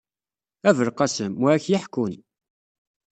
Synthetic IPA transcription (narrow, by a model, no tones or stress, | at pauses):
ævəɾqɑsəmwæçjɪħkːun